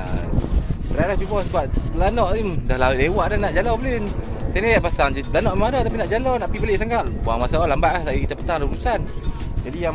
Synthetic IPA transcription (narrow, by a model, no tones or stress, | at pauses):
a̰ | t̪əɾalahd͡ʒubɔskuaʔlanɔʔimdahlaʔlewaʔdanaʔd͡ʒalɔbəlen | sanijaʔpasaŋd͡ʒlanɔʔmadɔt̪ap̬inaʔd͡ʒalɔnaʔpibəleʔsaŋaʔbuaŋmasaalambaʔlahsaikit̪aʔpːə̥t̪aŋdauɾusan | d͡ʒadija